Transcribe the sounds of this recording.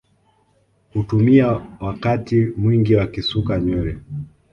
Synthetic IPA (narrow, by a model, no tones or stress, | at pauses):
hutumiawakatimwiŋɡiwakisukaɲwɛɾɛ